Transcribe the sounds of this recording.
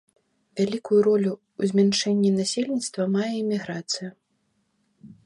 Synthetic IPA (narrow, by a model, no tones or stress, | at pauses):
vʲalʲikujuɾɔlʲuː | zʲmʲant͡ʂɛnʲːinasʲelʲnʲit̪st̪vɐmajɛɛmʲiɣɾat̪sɨju